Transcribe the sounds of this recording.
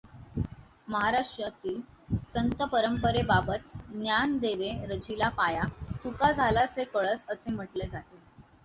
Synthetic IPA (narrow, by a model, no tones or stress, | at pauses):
məɦaɾaʂʈɾət̪iːlsənt̪əpəɾəmpəɾebabət̪̚njand̪eʋeɾəd͡ʑilapajat̪ukad͡zʱalasekəɭət͡səsem̤əʈled͡zat̪e